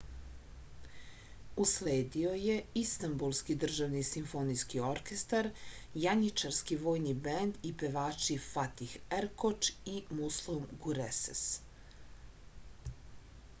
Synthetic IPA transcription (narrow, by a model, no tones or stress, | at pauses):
usleːd̪io̞je̞ist̪ambulˠskid̪r̩ʒaʋnisimfo̞niskioɾke̞st̪aɾjaɲit͡ʃaɾskiʋo̞ːjnibend̪ipeʋaːt͡ʃifat̪ixeɾkot͡ʃimuslˠumɡuɾesḛs